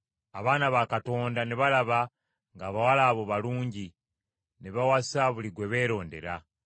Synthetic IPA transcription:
aβaːnaβakato̞ːndane̞βalaβa | ŋɡaːβawalaːβo̞βaluːɲɟi | ne̞βawasaβuliɡwe̞βe̞ːɾo̞ːnde̞̰ɾa

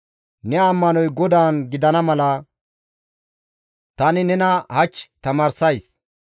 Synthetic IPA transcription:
nɛɐmːɐnɔjɡɔd̪aːnɡɪd̪ɐnɐmɐlɐ | t̪ɐnɪnɛnɐhɐt͡ʃːt̪ɐmaːɾsɐjs

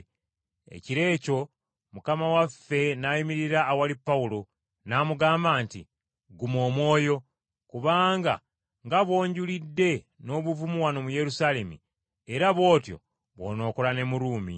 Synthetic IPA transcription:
e̞̰ciɾe̞ːco̞ | mukamawafːe̞najimiɾiɾaːwalipːawulo̞ | naːmuɡaːmbaːntḭ | ɡumo̞ːmwo̞ːjo̞ | kuβaːŋɡa̰ | ŋɡaβwo̞ːɲɟulidːe̞ | no̞ːβuvumuwano̞muje̞ɾusale̞mḭ | eɾaβo̞ːtjo̞̰ | βwo̞̰ːno̞ːko̞lane̞muɾuːmḭ

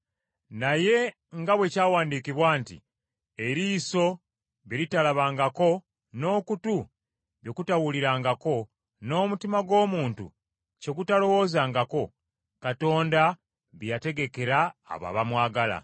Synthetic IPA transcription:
naje̞ | ŋɡaβwe̞caːwaːndikiβwaːntḭ | eɾiːso̞ | βiɾitalaβaːŋɡako̞ | no̞ːkutu | βjo̞kutawuliɾaːŋɡako̞ | no̞ːmutimaɡo̞ːmuːntṵ | ce̞ɡutalo̞wo̞ːzaːŋɡako̞ | kato̞ːnda | βjjate̞ɡe̞ke̞ɾa̰ːβa̰βamwaːɡala̰

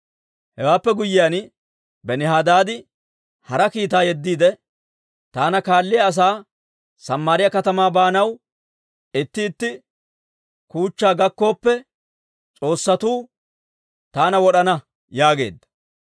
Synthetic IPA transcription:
hɛwaːpːɛɡʊjːɪjan | bɛnɪɦaːd̪aːd̪ɪ | hɐɾɐkiːt̪aːjɛd̪ːiːd̪ɛ | t̪aːnɐkaːlːɪjɐːs̬aː | sɐmːaɾɪjɐkɐt̪ɐmaːbaːnɐw | ɪt̪ːɪːt̪ːɪ | kuːt͡ʃːaːɡɐkːo̞ːpːɛ | t͡sʼo̞ːsːɐt̪uː | t̪aːnɐwɔɗɐnɐ | jaːɡe̞̰ːd̪ːɐ̥

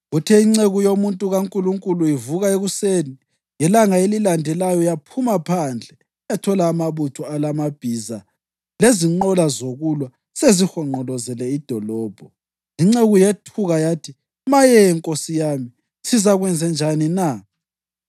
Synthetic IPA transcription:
ɣutʰɛiŋ͡ǀeɣujomuntʼuɣaŋkʼuluŋkʼuluivuɣaeɣuseni | jɛlaŋaelilandʱɛlajɔjapʰumapʰand͡ɮʱɛ | jatʰɔlaːmaβutʰɔalamab̥ʱiza | leziŋ͡ǃɔlazoɣulwa | sezixɔŋ͡ǃɔlɔzɛlɛid̥ʱɔlɔːb̥ʱɔ | iŋ͡ǁeɣujetʰuɣajatʰi | majɛɛŋkʼosijami | sizaɣwɛnd͡zʱɛnd͡ʒʱanina

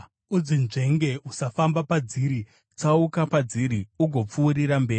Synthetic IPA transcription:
ud͡zinʐe̞ŋɡeusafambapad͡ziːɾi | t͡saukapad͡ziɾiuɡʱo̞p͡fuːɾiɾambe̞ː

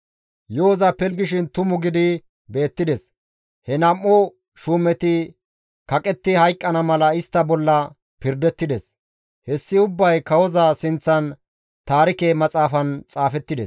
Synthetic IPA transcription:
joːzɐpɛlɡɪʃ̬ɪnt̪ʊmʊɡɪd̪ɪ | be̞ːt̪ːɪd̪ɛs | hɛnɐmːɔ | ʃuːmɛt̪ɪ | kɐkʼɛt̪ːɪhɐjkʼːɐnɐmɐlɐɪst̪ːɐbɔlːɐ | pɪɾd̪ɛt̪ːɪd̪ɛs | hɛsːɪʊbːɐjkɐwɔzɐsɪnt͡sːɐn | t̪aːɾɪkemɐt͡sʼaːfɐnt͡sʼaːfɛt̪ːɪd̪ɛ̰s

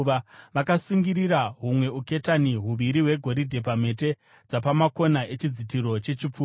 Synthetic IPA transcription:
aʋakasuŋɡiɾiɾaɦumwe̞uke̞taniɦuʋiɾiɦwe̞ɡʱo̞ɾidʱe̞p̬ame̞te | d͡zapamako̞naʔe̞t͡ʃid͡zitiɾo̞t͡ʃe̞t͡ʃip͡fuː

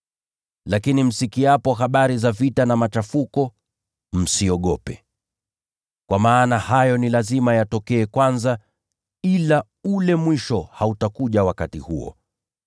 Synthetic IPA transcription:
lakinim̩sikiapɔɦaɓaɾizavitanamat͡ʃafukɔ | m̩siɔɠɔpɛ | kwamaːnahajɔnilazimajatɔkɛːkwanza | ila | ulɛmwiʃɔhautakuʄawakatihṵɔ̰

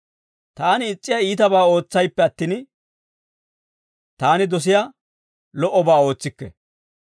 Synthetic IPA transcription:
t̪aːnɪːt͡sʼːɪjaiːt̪ɐbaːo̞ːt͡sːɐjpːɛɐt̪ːiːn | t̪aːnɪd̪ɔs̬ɪja | lɔʔɔbaːo̞ːt͡sːɪkːɛ̰

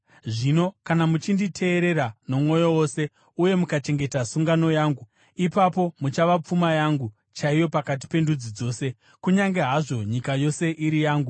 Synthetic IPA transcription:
ʐino̞kanamut͡ʃinditʰe̞ːɾe̞ɾano̞mwo̞jo̞wo̞se̞ | uje̞mukat͡ʃe̞ŋɡe̞tasuŋɡano̞jaːŋɡu | ipapo̞mut͡ʃaʋap͡fumajaːŋɡu | t͡ʃaijo̞pakat̬i̥pe̞ndud͡zid͡zo̞ːse̞ | kuɲaŋɡe̞ɦaʐo̞ɲikajo̞se̞ʔiɾijaːŋɡu

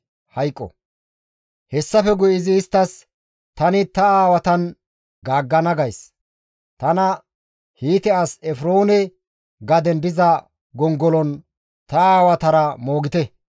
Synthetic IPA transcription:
hɐjkʼːɔ̰ | hɛsːɐfɛɡʊjɪzɪːst̪ːɐs | t̪ɐnɪt̪ɐaːwɐt̪ɐn | ɡaːɡːɐnɐɡɐjs | t̪ɐnɐ | hiːt̪ɛasɛfɾo̞ːnɛ | ɡɐd̪ɛnbɪzɐ | ɡɔŋɡɔlɔn | t̪ɐaːwɐt̪ɐɾɐmoːɡɪt̪ɛ

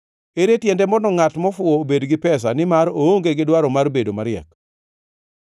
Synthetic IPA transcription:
eɾetjɛndɛmɔnɔŋatmɔfʊobedɡɪpɛs̬anɪmaɾooŋɡeɡɪdwaɾɔmarbedomaɾɪɛ̰k

